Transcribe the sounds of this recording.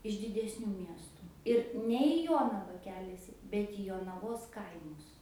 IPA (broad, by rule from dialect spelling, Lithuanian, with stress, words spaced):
ɪʃ dʲɪdʲɛsʲˈnʲuː ˈmʲiɛstʊ ɪr ˈnʲɛ iː ˈjoːnɐʋɐ ˈkʲæːlʲɛsʲɪ ˈbʲɛt iː joːnɐˈʋoːs ˈkɐɪmʊs